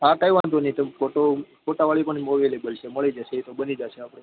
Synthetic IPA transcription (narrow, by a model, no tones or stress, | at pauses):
ɦãʈajʋant̪onit̪əkoʈokoʈaʋaɭipəɳimoʋilebəlt͡ʃʰeməɭid͡ʒaʃeit̪obənid͡ʒaʃeapɽe